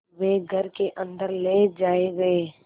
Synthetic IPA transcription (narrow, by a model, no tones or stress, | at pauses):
ʋeːɡʱəɾkeʔə̃nd̪əɾleːd͡ʒaːeʋee